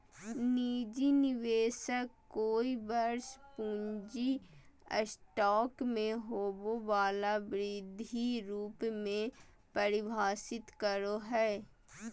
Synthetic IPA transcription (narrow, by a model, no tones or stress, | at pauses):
niːd͡ʒinɪʋeːʃəkkoːibɐɾspũːɲd͡ʒiə̰sʈɔːkmẽɦoːboʋaːlabɾɪd̪ʱiɾuːpmẽ | pɐɾɪbʱaːsɪt̪kəɾoɦɛː